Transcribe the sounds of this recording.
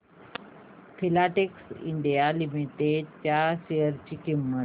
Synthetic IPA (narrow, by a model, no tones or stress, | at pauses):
fʰilaʈeksḭɳɖijalimit̪et͡ɕjaɕejəɾt͡ɕiːkimːət̪